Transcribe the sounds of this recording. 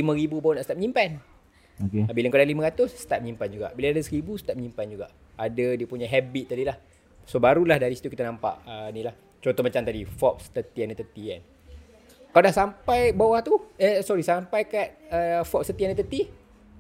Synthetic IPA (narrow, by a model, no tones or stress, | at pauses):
limə̃ɾibubawnaʔst̪ap̚məɲimpan | okebiləŋkodaliməɾat̪ʊsːə̥t̪at̪̚mɲimpand͡ʒuɡa̰ʔbilaadəsəɾibusə̥t̪at̪̚məɲimpand͡ʒuɡaʔ | adədiəpuɲaɦɛbit̪̚ːadilah | sobaɾulahdaɾisi̥t̪ukit̪ənãmpa̰ʔənĩlah | t͡ʃont̪ɔhmat͡ʃamt̪adifɔk̚st̪ət̪iɛnət̪ət̪iɛn | kaladahsampajbawaht̪uəsɔɾisampajkat̪̚əfɔk̚st̪ət̪iɛndət̪ət̪i